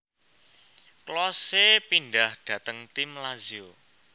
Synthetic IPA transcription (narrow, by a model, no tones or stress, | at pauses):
klɔsepindahɖ̥ä̤t̪əŋt̪imlazio